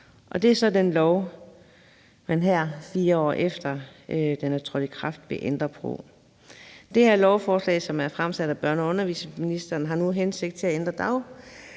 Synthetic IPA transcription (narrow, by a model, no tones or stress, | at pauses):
ʔɒ̽d̥e̝æɐsɒ̽denlɒʊ | mænɦæɐ̰fiːɐɒ̰ːʔefd̥ɐød̥enæɐt͡sʰʁɔd̥əkʰʁɑ̈fd̥ʋe̝ʔend̥ʁɐpʰʁo̰ | d̥e̝heɐ̰lɒʊfɒːslɛ̰ːsɒ̽mæɐfʁamsæd̥æb̥ɶɐ̰nɒ̽ɔ̽nɐʋḭːsminisd̥ɐːnɦɑ̈nuɦense̝ɡ̥d̥̚t͡sʰe̝æend̥ʁɐd̥ɑ̈ʊ̰